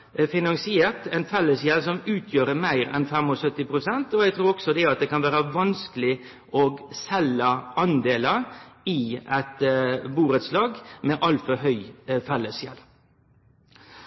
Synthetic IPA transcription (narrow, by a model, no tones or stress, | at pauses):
fɪnɑŋsɪeːʁt̪ɛɪnfɛlːəsjɛlsɔmʉːt̪ʰjøːɾəmæɪɾɛ̰nfɛmɔsœt̪ːɪpʰɾʊsɛnt̪ɔɛɡt̪ʰɾuːɾɔksɔd̪ɛɑt̪̚d̪ɛkɑnʋæːɾəʋɑnskəlɪ | ʔɔɡsɛlːɑʔɑnd̪eːləɾɪɛt̪buːɾət̪slɑːɡmeːʔɑlt̪fɔɾɦœʏfɛlːəsjɛl